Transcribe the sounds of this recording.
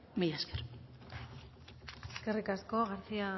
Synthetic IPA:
mejaskeɾ | eskerikaskoɣaɾt͡sia

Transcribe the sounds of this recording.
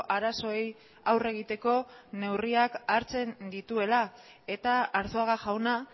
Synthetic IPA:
ʔaɾaso̞ej | awre̞ɣ̞it̪e̞ko̞ne̞wriakaɾt͡se̞nd̪it̪ue̞la | e̞t̪aːɾsoaɣaʝawna

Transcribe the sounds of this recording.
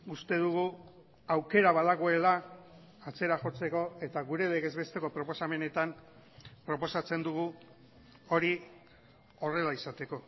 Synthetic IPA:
ust̪e̞ð̞uɣu | awke̞ɾaβaðaɣ̞oe̞laː | t͡se̞ɾaʝo̞t͡se̞ko̞e̞t̪aɣuɾe̞le̞ɣe̞zβe̞st̪e̞ko̞pɾo̞po̞same̞ne̞t̪ampɾopo̞sat͡se̞nd̪uɣ̞u | o̞ɾi | o̞re̞laisat̪e̞ko̞

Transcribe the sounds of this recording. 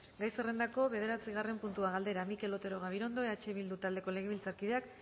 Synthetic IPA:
ɡajsere̞nd̪ako̞βe̞ðe̞ɾat͡siɣ̞are̞mpunt̪uaɣald̪e̞ɾamike̞lo̞t̪e̞ɾo̞ɣ̞aβ̞iɾo̞nd̪o̞eat͡ʃeβild̪ut̪ald̪e̞ko̞le̞ɣeilt͡saɾkið̞e̞ak

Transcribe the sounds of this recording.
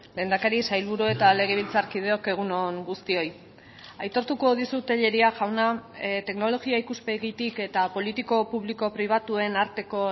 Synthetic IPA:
le̞ːnd̪akaɾisajlβuɾue̞t̪ale̞ɣ̞eβ̞ilt͡saɾkið̞e̞o̞ke̞ɣ̞unoŋɡust̪io̞j | ajt̪o̞ɾt̪uko̞ðisut̪e̞ʎe̞ɾiaʝawnat̪e̞kno̞lo̞ɣiaikuspeɣit̪ike̞t̪apo̞lit̪iko̞puβliko̞pɾiβ̞at̪ue̞naɾt̪e̞ko̞

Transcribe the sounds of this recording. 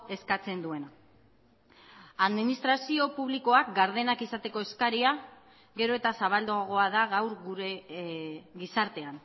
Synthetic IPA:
e̞skat͡se̞nd̪ue̞na | aðminist̪ɾasio̞puβliko̞ak̚ɡaɾðe̞nakisat̪e̞ko̞e̞skaɾia | ɡe̞ɾo̞e̞t̪asaβ̞ald̪oaɣ̞o̞að̞aɣawɾɣuɾe | ɣisaɾt̪e̞an

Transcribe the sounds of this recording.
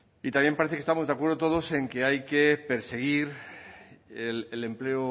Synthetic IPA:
it̪amje̞mpaɾeθekest̪amo̞zðakwe̞ɾðot̪o̞ð̞o̞se̞ŋkeajke̞pe̞ɾse̞ɣiɾ | elele̞mple̞o

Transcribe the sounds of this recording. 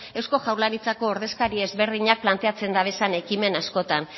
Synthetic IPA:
e̞wsko̞ʝawɾlaɾit͡sako̞ːɾðe̞skaɾie̞zβe̞ɾðiɲak̚plant̪e̞at͡se̞nd̪aβe̞sane̞kime̞nasko̞t̪an

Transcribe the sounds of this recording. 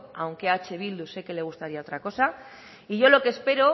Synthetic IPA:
awŋke̞at͡ʃe̞β̞ild̪use̞ke̞le̞ɣ̞ust̪aɾiao̞t̪ɾako̞sa | iʝo̞lo̞ke̞ːspe̞ɾo

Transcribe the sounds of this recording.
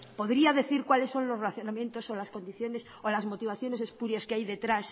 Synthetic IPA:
po̞ðɾiaðe̞θiɾkwale̞sːo̞nlosrelaθjonamjẽ̞nt̪osolasko̞nd̪iθjo̞nes | olazmo̞t̪iβ̞aθjo̞ne̞sespuɾjaskeajðe̞t̪ɾas

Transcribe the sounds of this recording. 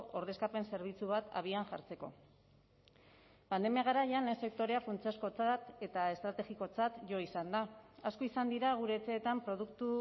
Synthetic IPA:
o̞ɾð̞e̞skape̞nse̞ɾβ̞it͡suβ̞at̪a̰β̞ianʝa̰ɾt͡se̞ko̞̰ | pand̪e̞miaɣ̞aɾaʎanlense̞k̚t̪o̞ɾe̞afunt͡siasko̞t͡sat̪e̞t̪ae̞st̪ɾat̪e̞ɣiko̞t͡sat̪ʝo̞isand̪aaskoisand̪iɾaɣ̞uɾe̞ːt͡se̞ːt̪ampɾo̞ð̞ukt̪u

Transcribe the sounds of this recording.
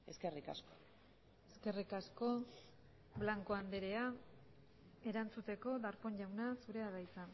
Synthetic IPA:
e̞skerika̰sko | eske̞rikasko̞ | blaŋko̞and̪eɾe̞a | e̞ɾant͡sut̪e̞ko̞ðaɾpo̞ɲʎawnasuɾe̞aðajt͡sa

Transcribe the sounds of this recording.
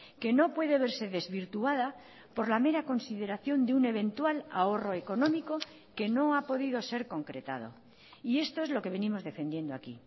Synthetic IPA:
ke̞no̞pwe̞ðeβ̞e̞ɾse̞ðe̞zβiɾt̪uað̞a | po̞ɾlame̞ɾako̞nsið̞e̞ɾaθjo̞nd̪eune̞β̞ẽ̞nt̪wala̰o̞ro̞eko̞nõ̞miko̞ | ke̞no̞apo̞ðiðo̞se̞ɾko̞ŋkɾe̞t̪a̰ð̞o̞̰ | ie̞st̪o̞e̞zlo̞ke̞β̞e̞nimo̞zðe̞fend̪je̞nd̪oakḭ

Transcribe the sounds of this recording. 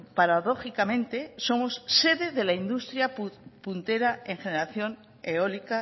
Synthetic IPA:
paɾaðo̞xikamẽ̞nt̪e̞so̞mo̞sse̞ðe̞ðe̞laind̪ust̪ɾjapunt̪e̞ɾae̞ŋxe̞ne̞ɾaθjo̞n | eo̞lika

